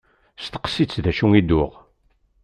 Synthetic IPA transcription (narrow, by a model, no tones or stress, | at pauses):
st̪ə̥qsit͡sːðæʃuŋid̪ʊʁ